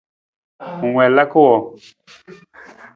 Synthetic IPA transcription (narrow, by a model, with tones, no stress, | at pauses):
ŋwɛ˨la˦ko˦wɔ˨